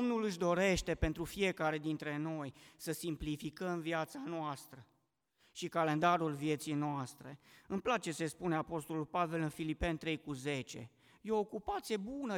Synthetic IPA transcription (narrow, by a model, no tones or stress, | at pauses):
omnulɨʃ̬d̪o̞ɾe̞ʃt̪e̞pe̞nt̪ɾufije̞kaɾe̞d̪int̪ɾe̞no̞jsəsimplifikəmviat̪sanoast̪ɾə | ʃikale̞nd̪aɾulvje̞t̪sijnoast̪ɾe̞̰ɨmplat͡ʃe̞se̞spune̞apo̞st̪o̞lulpave̞lɨnfilipe̞nt̪ɾe̞jkuze̞t͡ʃe̞̰ | jeokupat̪sije̞bunə